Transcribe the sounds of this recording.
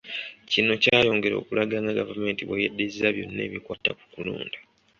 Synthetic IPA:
cinocaːjo̞ːŋɡe̞ɾo̞̰ːkulaɡaŋaɡavame̞ːntiβwejedːezaβjo̞nːe̞̰ːβikwaːtaku̥kulṵːnda

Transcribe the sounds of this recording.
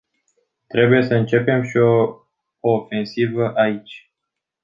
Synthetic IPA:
t̪ɾe̞buje̞səɨnt͡ʃe̞pe̞mʃioː | fe̞nsivəʔait͡ʃʲ

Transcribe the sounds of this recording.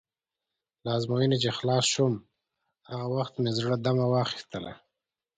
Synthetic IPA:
lɑzmojənet͡ʃexlɑsʃʊm | haɣawaxt̪mezɽəd̪amawɑxi̥st̪əla̰

